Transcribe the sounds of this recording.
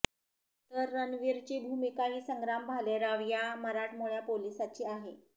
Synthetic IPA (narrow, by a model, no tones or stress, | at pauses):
t̪əɾːənʋiɾt͡ɕebʱumikaɦiːsəŋɡɾambʱaleɾaʋjaməɾaʈmoɭjapolisat͡ɕiaɦe